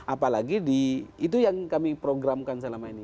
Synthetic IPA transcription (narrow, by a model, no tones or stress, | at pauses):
ʔapalaɡidiːt̪̬ujaŋkamipɾoɡɾamkansəlamaini